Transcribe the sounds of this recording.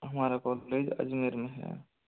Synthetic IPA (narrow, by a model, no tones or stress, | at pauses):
ɦəmaːɾakɔːlled͡ʒə̰d͡ʒmeɾmẽɦɛ̰